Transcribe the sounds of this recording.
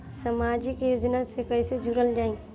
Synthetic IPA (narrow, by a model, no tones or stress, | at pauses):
səmaːd͡ʒikijoːd͡ʒnasekəɪsed͡ʒʱuɾəld͡ʒaːĩ